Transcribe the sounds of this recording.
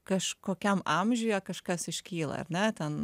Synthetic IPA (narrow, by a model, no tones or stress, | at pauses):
kɐʃkoːkʲɛmɑmʲʒʲʊjɛkɐʃkɐsɪʃʲkʲiːlˠɐ̰ɐ̰ɾnʲɛt̪ʲɛn